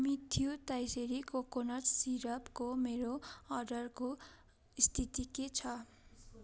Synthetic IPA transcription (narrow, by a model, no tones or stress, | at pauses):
mit̪ʰiot̪ajseɾikokonʌsiɾʌpkomeɾoʌrɖʌrko | ist̪ʰit̪iket͡sʰʌ